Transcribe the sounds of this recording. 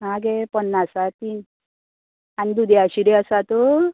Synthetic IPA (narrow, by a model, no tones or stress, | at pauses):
ɦaɡɛpənːasat̪iːn | anid̪ud̪ʱɛaɕiɽiəsat̪o